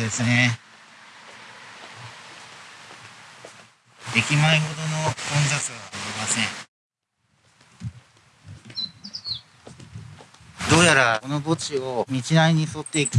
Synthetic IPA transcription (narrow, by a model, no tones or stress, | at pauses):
d̪e̞sɨne̞ | d̪e̞kʲimaiɦo̞t̪o̞no̞kõ̞nzat͡sɨβaaɾʲimasẽ̞ɴ | d̪o̞ːjaɾao̞no̞bo̞t͡ɕio̞mʲit͡ɕinaiɲ̟iso̞t̪ːe̞ik